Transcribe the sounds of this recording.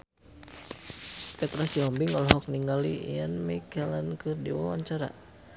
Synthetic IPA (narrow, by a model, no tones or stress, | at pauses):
pɛt̪ɾasiɔmbiŋɔlɔɦɔk̚niŋɡalijanmɛkalankɨrdiwawa̰ɲt͡ʃaɾa̰